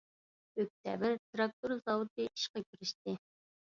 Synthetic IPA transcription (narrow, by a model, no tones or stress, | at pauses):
øk̚ʲt̪ʰɛ̰vɪɾt̪ɾɑk̚t̪uɾzɑwut̪̚ɨʔi̥ʃqɑkʲyɾɪʃt̪ɪ